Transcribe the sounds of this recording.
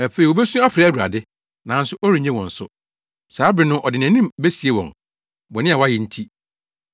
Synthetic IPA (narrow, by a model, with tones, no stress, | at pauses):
æ˨fe˨ɾi˨wo˨be˦sũ˦a˦fɪɾa˨æ˦wu˨ɾa̰˨dɪ˦ | nã˨n̩˦sʊ˦ʔɔ˦ɾi˨ɲẽ˦wɔ̃˨n̩˨sʊ̰˦ | saː˨˦bɾɪ˨nʊ̃˦ʔɔ˨dɪ˨ñ˨ã˨˦nĩ˦mbe˦si˨e˦wɔ̰̃˨n | bɔ̃˨nɪ̃˦a˨wa˦jɪ˨n̩˦tʰi˦